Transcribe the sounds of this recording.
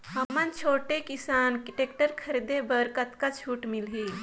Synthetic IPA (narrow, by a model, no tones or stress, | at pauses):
həmənt͡ʃʰoːʈekisaːnkiʈek̚ʈəɾkʰəɾid̪ebəɾkət̪kat͡ʃʰuːʈmilɦi